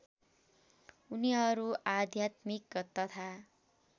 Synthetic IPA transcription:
uniɦʌɾuʔad̪ʱjat̪mikt̪ʌt̪ʰa

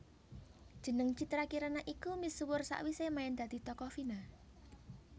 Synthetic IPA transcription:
d̥ʒ̥ə̤nəŋt͡ʃit̪ɾakiɾanaʔikumiswʊrsa̰ʔwisemaɪnd̪̥ä̤d̪̥i̤t̪ɔkɔfina

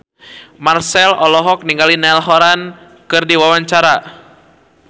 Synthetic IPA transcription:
marsɛlɔlɔɦɔk̚niŋɡalinɛlɦɔɾan | kɨrdiwawaɲt͡ʃaɾa

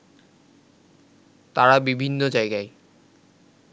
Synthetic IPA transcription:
t̪aɾabibʱinːod͡ʑajɡae

